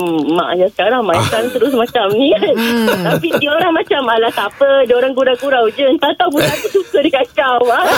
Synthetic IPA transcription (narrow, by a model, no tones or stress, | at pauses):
ma̰ʔajasə̥kaɾaŋmajakant̪əɾʊs̬mãt͡ʃamnĩtt̪apit̪ioɾaŋmãt͡ʃamalat̪apədioɾaŋkuɾakuɾawd͡ʒənt̪at̪awbut̪apəsusədikat͡ʃawa